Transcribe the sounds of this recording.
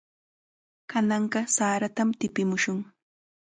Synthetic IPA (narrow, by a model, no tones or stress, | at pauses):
kanɑɴɢɑsaːɾat̪amt̪ɪpɪmʊʃʊŋ